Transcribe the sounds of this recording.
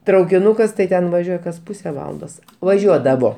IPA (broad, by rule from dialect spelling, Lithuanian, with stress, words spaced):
trɐʊkʲɪˈnʊkɐs tɐɪ ˈtʲɛn ʋɐˈʒʲuɔj kɐs ˈpʊsʲɛ ˈʋɑːlˠɐndoːs ʋɐˈʒʲuɔdɐʋoː